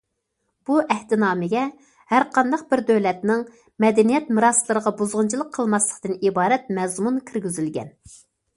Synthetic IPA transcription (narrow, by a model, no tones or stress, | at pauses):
b̥uʔɛht̪ɪnɑːmɪɡʲɛ | hæɾqɑnd̪ɑqbɪɾd̪øwlɛt̪nɪŋ | mɛd̪ɛnijɛt̪mɨɾɑslˠɨɾəʁɑbuzʁʊnt͡ʃʰilˠəqʰəlˠmɑslˠə̥qt̪ɨnibɑːɾɛt̪̚mɛzmunkʲʰiɾɡʲyzylɡʲɛ̰n